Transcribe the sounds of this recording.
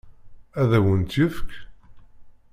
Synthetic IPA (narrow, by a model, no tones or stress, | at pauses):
æðæwənt̪jəfk